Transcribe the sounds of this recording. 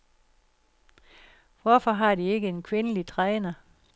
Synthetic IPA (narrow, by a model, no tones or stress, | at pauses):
ʋɒfɒ̽ɦɑ̈d̥ie̝ɡ̥əe̝nkʰʋe̝nəlit͡sʰʁɛːnɐ